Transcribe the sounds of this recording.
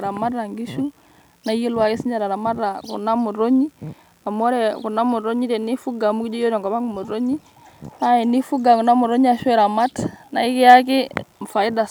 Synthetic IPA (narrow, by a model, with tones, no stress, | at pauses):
ɾa˨ma˦ra˨ŋɡi˦ʃu˦ | na˦ji˦lwa˨i˦si˦ɲa˨ɾa˨ɾa˨ma˦ra˨kṵ˨na˦mu˨ɾo˦ɲi˦ | a˨mɔ˦ɾɛ˨ku˨na˦mu˨ɾo˦ɲi˦tɛ˨ni˦fu˦ɡa˨mu˦ki˦d͡ʒɔ˦jo˦ɾɔ˨ŋɡɔ˨ba˦ŋɡu˨mu˨ɾo˦ɲi˦ | a˦ɛ˨ni˦fu˦ɡa˨ku˨na˦mu˨ɾo˦ɲ˦a˨ʃwɛ˨ɾa˨ma˦tna̰˨ɪ˦kɪ˦ja˦kɪ˦mfa˨ɪ˦da˨